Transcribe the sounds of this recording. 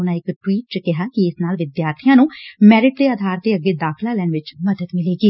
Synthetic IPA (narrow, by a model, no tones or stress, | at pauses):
ʊnãːɪkʈwiːʈ̚t͡ʃəkɪɦaːkiɪsnaːlʋɪd̪jaːɾt̪ʰijãːnũːmɛːɾɪʈ̚d̪eːaːd̪ʱaːɾt̪eːəɡːeːd̪aːkʰlaːlɛːnʋɪt͡ʃməd̪əd̪mɪleːɡiː